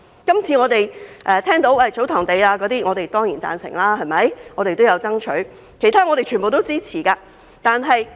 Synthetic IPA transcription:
kɐ˥mt͡sʰiː˨˧ŋɔː˨˧t̪e˨jʔɛː˧t̪ʰɛː˥ŋt̪o˨˥wɐ˥˨˩t͡so˨˥wt̪ʰɔː˨˩ŋt̪e˨jaː˧kɔː˨˥t̪iː˥ŋɔː˨˧t̪e˨jt̪ɔː˥ŋjiː˨˩nt͡sa̰ː˧nsɪ̰˨˩ŋlaː˥ɦɐ˨˩jmɐ˨˥jŋɔː˨˧ɾe˨jt̪o˥wjɐ˨˧wt͡sɐ˥ŋt͡ʃʰɵ˨˥ɥ | kʰe˨˩t̪ʰaː˥ŋɔː˨˧t̪e˨jt͡ʃʰy˨˩po˨wt̪o˥wt͡siː˥t͡sʰiː˨˩kaː˧ | t̪aː˨nɦɐ˨j

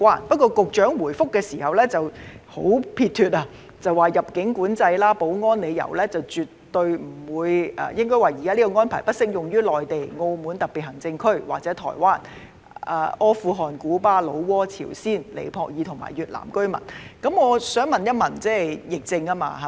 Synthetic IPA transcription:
waː˥npɐ˥t̚kɔː˧kʊ˨k̚t͡ʃœː˨˥ŋwuː˨˩jfʊ˥kːɛː˧siː˨˩hɐ˨wlɛː˥t͡sɐ˨who̰˨˥wpʰiː˧t̪ʰyː˨t̚aː˧ | t͡sɐ˨waː˨jɐ˨p̚kɪ˨˥ŋkuː˨˥nt͡sɐ˧jlaː˥po˨˥wŋɔː˥nle˨˧jjɐ̰˨˩wlɛː˥t͡sɐ˨wt͡ʃyː˨tːɵ˧ɥm̩˨˩wuː˨˧jʔa̰ː˧jɪ˥ŋkɔ˥jwaː˨˩jiː˨kaː˥liː˥kɔ˧ŋɔː˥npʰaː˨˩jpɐ˥t̚sɪ˥k̚jʊ˨ŋjyː˥lɔː˨jt̪e˨jŋo˧wmuː˨˥nt̪ɐ˨k̚pi˨˩hɐ˨˩ŋt͡sɪ˧ŋkʰɵ˥˩ɥwaː˨k̚t͡sɛː˨˥t̪ʰɔ̰ː˨˩jwaː˥n | ʔa̰ː˧ʔɔː˥fuː˨˧ɦɔː˨nkuː˨˥paː˧lo˨˧wwɔː˥t͡sʰḭː˨˩wsiː˥˩nlḛ˨jpʰɔː˧k̚jiː˨˧t̪ʰʊ˨˩ŋma̰ː˨˩jyː˨t̚la̰ː˨˩mkɵ˥ɥmɐ̰˨˩nkɐ˨˥mŋɔː˨˧sœː˨˥ŋmɐ˨njɐ˥t̚mɐ˨˩nt͡sɛː˥jjɪ˨k̚t͡sɪ˧ŋa˥ma̰ː˧ɦa˧

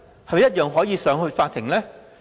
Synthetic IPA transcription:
hɐ˨m˨jɐ˥t̚jœː˨ŋɦɔː˨˥jiː˨˧sœː˨˥ŋhɵ˧ɥfaː˧t̪ʰɪ˨˩ŋlɛː˥

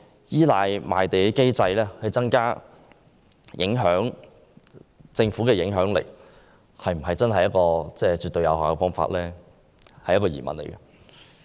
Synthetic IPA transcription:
jiː˥laː˨˧jma̰ː˨jt̪e˨˩ke˥jt͡sɐ˧jlɛː˥hɐ˨jt͡sɐ˥ŋkaː˥ | jʔɪ˨˥ŋɦœː˨˥ŋ | t͡sɪ˧ŋfu˨˥kɛː˧jɪ˨˥ŋɦœː˨˥ŋlḛ˨˩k̚ | hɐ˨jm̩˨˩ɦɐ˨˩jt͡sɐ˥nɦɐ˨jɐ˥t̚kɔː˧t͡sɛː˥˩t͡ʃyː˨t̪ːɵ˧ɥjɐ˨˧whaː˨˩kɛ˧fɔː˥ŋfa̰ː˧˥t̚lɛː˥ | hɐ˨jːɐ˥kɔ˧jḭː˨˩mɐ̰˨nlḛ˨˩jkɐ˧

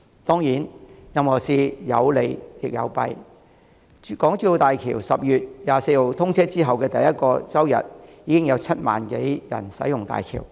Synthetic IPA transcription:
t̪ɔː˥ŋjiː˨˥njɐ˨mhɔː˨˩siː˧jɐ̰˨˧wle˨˧jjɪ˨k̚jɐ̰˨˧wpɐ̰˧j | kɔː˨˥ŋt͡ʃyː˧o˧t̪aː˨jkʰiː˨˩wsɐ˨p̚jyː˨t̚jaː˨se˧jho˨˧wt̪ʰʊ˥ŋt͡sʰɛː˥t͡siː˥ɦɐ˨wkɛː˧t̪ɐ˨jːɐ˥t̚kɔː˧t͡sɐ˥wjɐ̰˨t̚jiː˨˧kɪ˥ŋjɐ˨˧wt͡sʰɐ˥t̚ma̰ː˨nke˨˥jjɐ̰˨˩nsɐ̰˨˥jʊ˨ŋt̪a̰ː˨jkʰḭː˨˩w

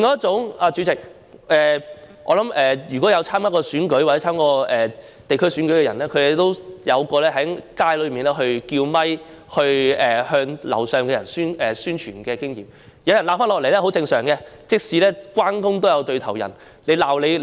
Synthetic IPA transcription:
ŋkɔː˨˧˦jɐ˥t̚t͡sʊ˨˥ŋaː˧t͡ʃy˨˧t͡sɪ˨k̚ | ʔɛː˨˩ | ʔɔ̰ː˧lɐ˨˥mɛː˨jyː˨˩kʷwɔ˨˥jɐ˨˧wt͡sʰaː˥mkaː˨˥kɔː˧syː˨˥nkɵ˨˥ɥwa˨˩t͡sɛː˧˥kɔː˧ɛː˨ | t̪e˨jkʰɵ˥syː˨˥nkɵ˨˥ɥkɛ˧jɐ˨˩nlɛː˥kʰɵ˨˧e˨˥t̪o˥wjɐ˨˧wkɔː˧lɛː˥ɦɐ˨˥jkaː˥jlɵ˨˧ɥmiː˨nlɛː˥ɦɵ˧ɥkiː˧wmɐ˥j | hɵ˧ɥɛː˨˩hœː˧ŋlɐ̰˨˩wsœː˨ŋkɛ˧jɐ˨˩nsyː˥nʔɛː˨syː˥nt͡ʃʰyː˨˩nkɛː˧kɪ˥ŋjiː˨m | jɐ˨˧wjɐ˨˩nlaː˧pfaː˥nlɔː˨k̚le˨˩jlɛː˥ɦo˨˥wt͡sɪ˧ŋsœː˨˩ŋkɛ˧t͡sɪ˥k̚siː˨˧lɛː˥kwaː˥nkʊ˥ŋt̪o˥wjɐ˨˧wt̪ɵ˧ɥt̪ʰɐ˨˩wjɐ̰˨˩n | le˨˧jlaː˨˩wle˨˧j

